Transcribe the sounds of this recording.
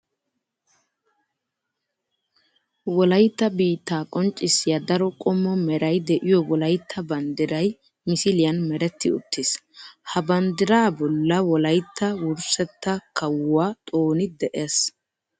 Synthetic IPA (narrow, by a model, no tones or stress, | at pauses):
wɔlɐjt̪ːɐbiːt̪ːaːkʼɔnt͡ʃʼːɪsːɪjɐd̪ɐɾɔkʼɔmːɔmɛɾɐjd̪ɛʔɪjɔwɔlɐjt̪ʰːɐbɐnd̪ɪɾɐj | mɪsɪlɪjɐnmɛɾɛt̪ːɪʊ̰t̪ːɪshɐbɐnd̪ɪɾaːbɔlːɐwɔlɐjt̪ːɐwʊɾsɛt̪ːɐkɐwʊwaːt̪ʼoːnɪd̪ɛʔes